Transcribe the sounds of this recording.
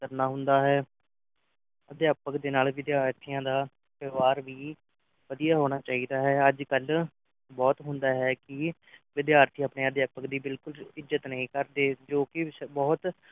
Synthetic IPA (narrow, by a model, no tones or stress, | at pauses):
kəɾnaːɦʊ̃nd̪aːɦɛː | əd̪jaːpəkd̪eːnaːlʋɪd̪ɪjaːɾt̪ʰijãːd̪aː | pəːʋaːɾʋiː | ʋəd̪ijaːɦoːɽ̃aːt͡ʃaːɦiːd̪aːɦɛːəd͡ʒkəl | bɔːt̪ɦʊ̃nd̪aːɦɛːkɪ | ʋɪd̪jaːɾt̪ʰijaːpneːəd̪jaːpəkd̪iːbɪlkʊlɪzət̪nəɦĩːkəɾd̪eːd͡ʒoːkɪsbɔːt̪